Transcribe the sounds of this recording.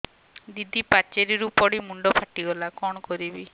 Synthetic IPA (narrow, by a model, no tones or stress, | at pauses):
d̪id̪ʱipat͡ʃeɾiɾupɔɽimuɳɖɔpʰaʈiɡɔlakɔɽ̃ɔkɔɾibi